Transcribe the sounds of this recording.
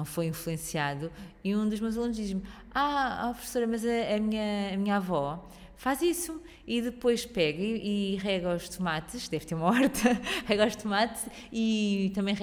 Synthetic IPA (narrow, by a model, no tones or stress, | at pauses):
ɐ̃w̃fojĩflˠuẽsiaðuiũd̪uʒmewzɐlˠũnʒd̪iʒm | aa̰pɾufsoɾɐmɐzɐːmiɲɐːmiɲavɔ | fazisu | iðɨpojʃpɛɣɐiʔiʁɛɣaɔʃt̪umat̪ɨʃd̪ɛvt̪eɾumɐɐɔɾt̪ɐʁɛɣɔʃt̪umat̪ | it̪ɐ̃mbɐ̃j̃ʁ